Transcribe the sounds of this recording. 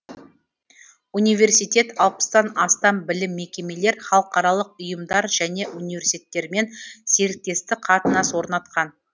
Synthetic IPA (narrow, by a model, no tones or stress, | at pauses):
unijvʲe̞rsijt̪ʲe̞t̪ɑlˠpə̥sd̪ɑnɑst̪ɑmbɪlɪmːe̞kʲe̞me̞le̞ɾχɑlˠəqɑɾɑlˠəqʊjəmd̪ɑɾʒæne̞ʔunivʲe̞ɾsi̥t̪ʰet̪ːe̞ɾme̞nse̞ɾɪk̚t̪e̞st̪ɪqʰɑt̪ənɑswo̞ɾnɑt̪̚qɑn